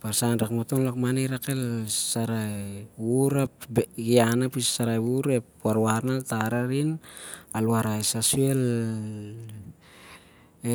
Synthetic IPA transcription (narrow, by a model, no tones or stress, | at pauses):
paɾsanɾakmotonlakmaneɾakelsaɾajuɾapɡianapissaɾajwuɾepwaɾwaɾnaltaɾaɾinalwaɾajsasuel | e